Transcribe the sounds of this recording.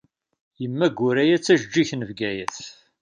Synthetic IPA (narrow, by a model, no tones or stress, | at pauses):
jəmːæɡʊɾæjæt͡sːæʒd͡ʒːiçnəvɡæjəθ